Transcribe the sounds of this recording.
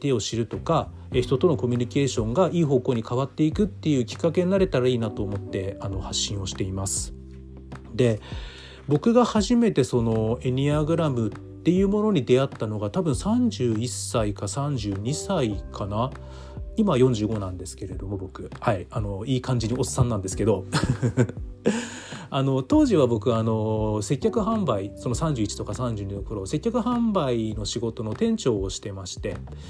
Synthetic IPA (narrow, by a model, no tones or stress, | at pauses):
t̪e̞o̞ɕiɾɯ̟t̪o̞ka | eçi̥t̪o̞t̪o̞no̞ko̞mʲyɲ̟ike̞ːɕõ̞ŋɡaʔiːɦo̞ːko̞ːɲ̟ikaβat̪ːe̞ikɯ̟t̪ːe̞jɯ̟ːkʲi̥kːake̞ɲinaɾe̞t̪aɾaiːnat̪o̞ːmo̞t̪ːe̞ano̞haɕːĩɰ̃o̞ɕi̥t̪e̞imasɨ̥ | d̪e̞ | bo̞kɯ̟ɡahaʑime̞t̪e̞so̞no̞e̞ɲʲiaɡɯ̟ɾamɯ̟tt̪ːe̞jɯ̟ːmo̞no̞ɲ̟id̪e̞at̪ːano̞ɡat̪abɯ̟̃ɰ̃sãɲ̟d͡ʑɨːisːaikasãɲ̟d͡ʑɨːɲ̟isaikʰana | imajõ̞ɲ̟d͡ʑɨːɡo̞nãnd̪e̞sɨ̥ke̞ɾe̞d̪o̞mo̞bo̞kɯ̟haiano̞iːkãɲ̟d͡ʑiɲ̟io̞sɨ̥sːãnːãnd̪esɨ̥ke̞d̪o̞ | ano̞t̪o̞ːʑiβ̞abo̞kɯ̟ano̞se̞kʲːakɯ̟ɦãmbaiso̞no̞sãɲ̟d͡ʑɨit͡ɕi̥t̪o̞kasãɲ̟d͡ʑɨːɲ̟id̪okɯ̟ɾo̞se̞kʲːakɯ̟ɦãmbaino̞ɕiɡo̞t̪o̞no̞t̪ẽ̞ɲ̟t͡ɕo̞ːɕi̥t̪e̞maɕi̥t̪e̞